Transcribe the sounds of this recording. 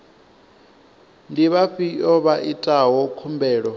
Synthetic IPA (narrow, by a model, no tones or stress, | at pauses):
ndiβaɸiʔɔβaʔitʼaɦɔkʰumbɛːɺɔ